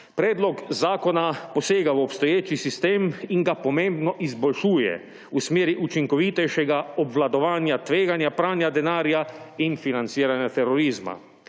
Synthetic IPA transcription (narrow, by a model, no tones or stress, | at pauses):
pɾɛːd̪lɔkzaːkɔnapɔseːɡawɔpst̪ɔjeːt͡ʃisist̪eːmiŋɡapɔmẽːmbnɔʔizbɔlʃuːjɛ̰ | usmeːɾiʔut͡ʃiŋkɔʋiːt̪ɛjʃɛɡaɔbʋlad̪ɔʋaːnjat̪ʋeːɡanjapɾaːnjad̪ɛnaːɾjainfinant̪siːɾanjat̪ɛɾɔɾiːzma̰